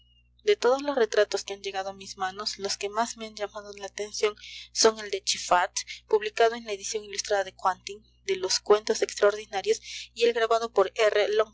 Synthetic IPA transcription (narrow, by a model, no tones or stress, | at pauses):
d̪e̞t̪o̞ð̞oslo̞sre̞t̪ɾat̪oskeand͡ʒe̞ɣað̞oamizmano̞slo̞ske̞mazme̞and͡ʒamaðolaːt̪e̞nsjo̞nso̞ŋe̞ld̪e̞t͡ʃifat̪puβlikaðo̞e̞nlae̞ðisjo̞ŋilust̪ɾaðaðekwant̪iŋ | d̪e̞loskwe̞nt̪o̞se̞kst̪ɾaoɾðinaɾjo̞sie̞lɡɾaβaðo̞poɾereloŋ